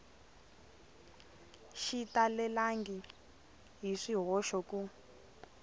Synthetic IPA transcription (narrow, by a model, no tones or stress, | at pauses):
ʃitalɛlaŋɡi | ɦiʂiɦɔʃɔku